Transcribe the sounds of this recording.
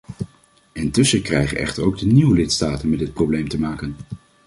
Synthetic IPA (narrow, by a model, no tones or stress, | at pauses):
ɪntɵsəkrɛjχə̰nʔɛ̰χtəɹowɡ̚dəniwəlɪtstaːtənmɛdɪt̚problejmtəmaːkən